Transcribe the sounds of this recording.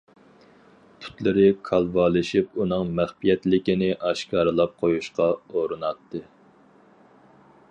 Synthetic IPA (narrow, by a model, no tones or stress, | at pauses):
t̪ʰy̥t̪lɪɾɪkʰɑlˠvɑːlˠɨʃipunɨŋmæχpijɛt̪lɪkʲinɪʔɑʃkʰɑːɾɨlˠɑp̚qʰojuʃqɑoɾɨnɑt̪ʰːɨ